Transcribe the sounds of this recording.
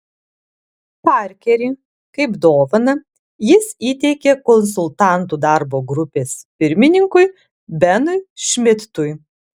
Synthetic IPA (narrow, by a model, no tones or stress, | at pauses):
pɑˑɾʲkʲɛɾʲɪ | kɐɪpd̪oːʋɐnɐ | jɪsiːt̪ʲɛɪkʲekɔns̬ʊlˠt̪ɑˑnt̪ud̪ɑˑɾboːɡɾʊpʲeːspʲɪɾʲmʲɪnʲɪŋkʊj | bʲɛnʊjʃʲmʲɪt̪t̪ʊj